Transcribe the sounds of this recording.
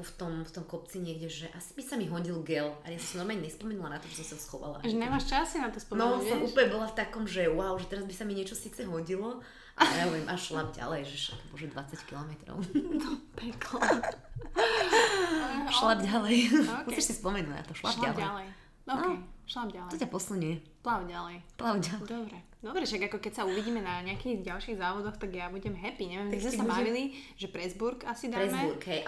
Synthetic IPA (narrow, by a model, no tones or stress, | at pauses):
ft̪ɔmft̪ɔmkɔp̚t͡siɲɪɛɡɟɛʒɛʔasi̥bisamiɦɔɟilɡɛlajasɔ̃msɔ̃mnɔɾmaɲɛɲɛspɔmɛnulanat̪ɔʒɛsɔ̃msasxɔʋa̰la̰ʒɛɲɛmaʃt͡ʃasinat̪ɔspnɔɔnasɔmʔuːpəlɲɛbɔlaft̪akɔmʒɛwaʊʒɛt̪ɛɾazbisamiɲɪɛt͡ʃɔsiːt͡sɛɦɔɟilɔ | ʔajaɔʋɛmʔaʃlab̚ɟa̰lɛjʒɛʃak̪ɔbɔ̰ʒɛd̪ʋat͡sackilˠɔmɛt̪ɾɔ̰ʊpɛklɛ | ʃlabɟalɛjusɛʃsispɔmɛnuna̰t̪ɔʃlaʃblaɛalɛj | ɔkɛjʃlabɟalt̪ɔcapɔsl̩ɲɛ | plaʊɟalɛjplaʊɟalɛd̪ɔbɾɛ | d̪ɔbɾɛʃaɡakɔkɛcsauʋiɟiːmɛnaɲɪakiɣɟalʃiːɣzaːʋɔd̪ɔxt̪aɡjabuɟɛmɦɛpiɲɛʋjɛmizɛsabaʋiliʒɛpɾɛzbuɾkasid̪aɾɛzmɛbuɾkɦɛjʔ